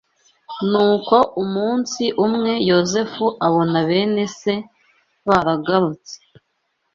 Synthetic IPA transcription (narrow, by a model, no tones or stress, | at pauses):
nuːko̞umuːnsiʔumŋe̞jo̞ze̞fuʔaβo̞naβe̞ːne̞se̞ | βaɾaɡaɾut͡se̥